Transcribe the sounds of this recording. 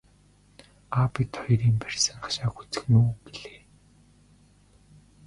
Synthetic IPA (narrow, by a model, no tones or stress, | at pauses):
aːpit̪ʰɔjɾiːmpær̥ʲsə̆ŋaʃaːxut͡sɘ̥̆xnuːpiɮeː